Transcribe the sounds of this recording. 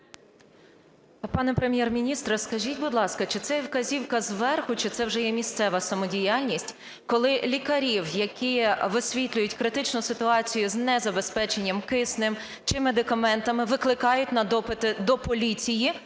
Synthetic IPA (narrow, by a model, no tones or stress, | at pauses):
pɑnɛpɾemʲjɛrmʲinʲist̪ɾɐskɐʒʲitʲbud̪lˠɑskɐt͡ʃɪt̪sɛwkɐzʲiwkɐzʋɛrxʊt͡ʃɪt̪sɛwʒɛjɛmʲist̪sɛʋɐsɐmɔdʲijɑlʲnʲisʲtʲ | kɔlˠɪlʲikɐɾʲiwjɐkʲiʋɪsʲʋʲit̪ʲlʲʊjʊtʲkɾɪt̪ɪt͡ʃnʊsɪt̪ʊɑt͡sʲijʊznɛzɐbe̞spɛt͡ʃenʲːɐmkɪsnɪm | t͡ʃɪmed̪ɪkɐmɛnt̪ɐmɪʋɪklˠɪkɑjʊtʲnɐd̪ɔpɪt̪ɪd̪ɔpɔlʲit͡sʲiji